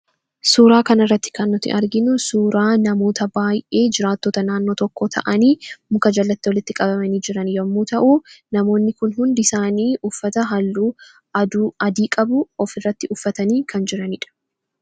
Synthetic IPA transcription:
suːɾaːkɐnɪrːɐt̪ːɪ̥kɐnːʊt̪ːɪ̰ʔɐɾɡɪnʊsuːɾaːnɐmo̞ːt̪ɐbaːjʔe̞ːd͡ʒɪɾaːt̪ːoːt̪ɐnaːnːo̞ːt̪ɔkːoːt̪ʰɐ̰ʔɐniːmʊkɐd͡ʒɐlːɐt̪ːɪwɔlɪt̪ːɪkʼɐbɐmɐniːd͡ʒɪɾɐnjɐmːuːt̪ɐʔuːnɐmo̞ːnːɪkʊnhʊnd̪ɪsaːniːʔʊfːɐt̪ɐɦɐlːuː | ɐd̪uɐd̪iːkʼɐbʊɔfɪrːɐt̪ːɪʔʊfːɐt̪ɐniːkʰɐnd͡ʒɪɾɐnɪᶑɐ̥

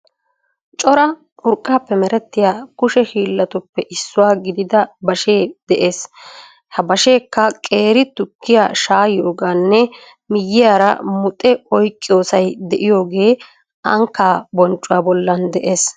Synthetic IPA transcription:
t͡ʃʼɔɾɐ | ʊɾkʼːaːpːɛmɛɾɛt̪ːɪjaːkʊʃɛhiːlːɐt̪ʊpːɛʔɪsːʊwaːɡɪd̪ɪd̪ɐbɐʃeːd̪ɛʔe̞ːs | hɐbɐʃe̞ːkːɐkʼe̞ːɾɪt̪ʊkːɪja̰ːʃaːjjoːɡaːnːɛ | mɪjːɪjaːɾɐ̰mʊt̪ʼɛɔjkʼːɪjo̞ːsɐjd̪ɛʔɪjo̞ːɡe̞ː | ɐŋkːaːbɔnt͡ʃʼːʊwaːbɔlːɐnd̪ɛʔe̞ːs

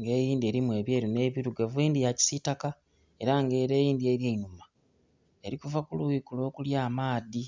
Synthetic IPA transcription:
ŋɡe̞ːjiːndie̞ɾimuwe̞βjeːɾine̞ːβiɾuɡavweːndijaci̥sitaka | e̞ɾaŋɡe̞ːɾe̞ːjiːndie̞ɾjeinuma | e̞ɾikuvakuluikulo̞ːkuljaːmaːði

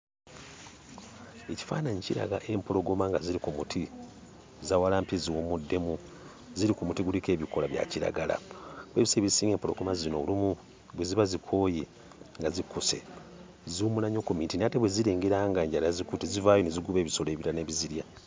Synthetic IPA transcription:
eci̥fa̰ːnaɲiciɾa̰ɡa̰ʔe̞mpo̞ɾo̞ɡomaŋɡaziɾikumutʰi | zawalaːmpiziwomudːe̞mu | ziɾikumutiɡulike̞ːβikolaβja̰ciɾa̰ɡala̰bweβiseβizsiːŋɡempoɾo̞̰ɡo̞mazino̞̰limu | βweziβazikʰo̞ːje | ŋɡazikuse̞̰ | zuumulaɲokomintinateβweziɾeːŋɡeɾaŋɡaɲɟaɾazikutizivaːjo̞neziɡuβe̞ːβiso̞le̞ːβiɾane̞βiziɾja

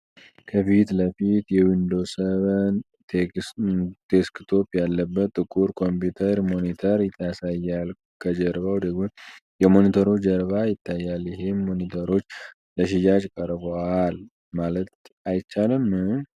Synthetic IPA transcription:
kʰəfit̪ləfit̪jɛwind̪o̞səβən | t̪ʰeskt̪ʰo̞pjalːəbːət̪ʼːɨkʼuɾkʰo̞mput̪ʰəɾmo̞nit̪ʰəɾjɪt̪ʰːasajːal | kʰəd͡ʒəɾβawd̪əɡmo | jɛmo̞nit̪ʰəɾot͡ʃd͡ʒəɾβajɪt̪ʰːajːaljɪɦemːo̞nit̪ʰəɾo̞t͡ʃː | ləʃ̬ɪd͡ʒad͡ʒkʼəɾboal | malət̪ | ajt͡ʃːalɨmː

